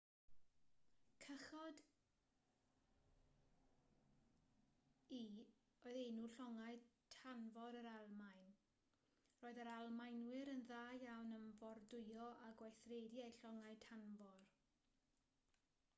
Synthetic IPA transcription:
kʰəχɔd | i | oɨðejnuːɬɔŋajtʰanvɔɾəɾalˠmajn | roːɨðaɾalˠmajnwɪɾənðaːjawnənvɔrdʊɨɔʔaɡwajθrediejɬɔŋaɨtʰanvɔr

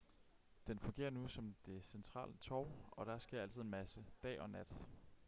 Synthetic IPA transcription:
d̥enfɔ̽ŋɡe̝̰ːɐnusɒ̽md̥e̝sent͡sʰʁɑ̰̈ːlət͡sʰɒʊɒ̽ɾ̥ɑ̈ɐsɡ̥e̝ɐæl̰t͡sʰið̞̩̰ˠenmæsəd̥ɛ̰ːʔɒ̽næd̥

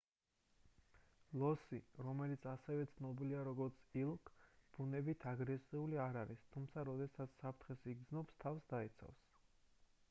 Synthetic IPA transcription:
lˠɔsiɾɔmɛlit̪sʰasɛvɛt̪sʰnɔbiliaɾɔɡɔɾt̪sʰilˠkʰb̥unɛbit̪ʰaɡɾɛsiuliaɾaɾist̪ʰumt̪sʰaɾɔd̪ɛsat̪sʰsapʰɾt̪ʰχɛsiɡd̪znɔpst̪ʰafsd̪ait̪sʰa̰fs

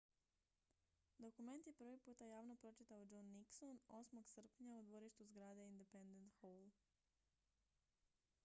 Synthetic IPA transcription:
d̪o̞kume̞nt̪je̞pr̩ʋipuːt̪ajaːʋno̞pɾo̞t͡ʃit̪aod͡ʒonːikso̞no̞smo̞ɡsr̩pɲaud̪ʋo̞ɾiʃt̪uzɡɾaːd̪eind̪epend̪ent̪xolˠ

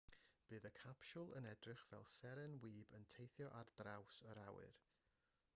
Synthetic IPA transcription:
b̥ɨːðəkʰapʃʊlˠə̰nɛdrɪχv̥ɛ̰lˠsɛɾɛnwiːbəntʰejθjɔʔard̥rawsəɾawɨ̰r

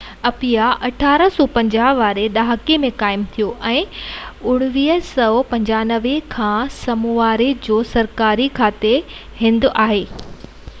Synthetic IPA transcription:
ɐpijaʔɐʈʰaːɾə̆sɔːpɐ̃ɲd͡ʑaːɦʋaːɾeɗaːɦəkemẽkaːɪmt̪ʰijoʔɛ̃ːʊɽ̃ʊʋiːɦəsɐpɐ̃ɲd͡ʑaːnəʋekʰãːsɐmuaːɾed͡ʑoːsɐɾkaːɾikʰaːt̪e | ɦɪ̃nd̪aːɦeː

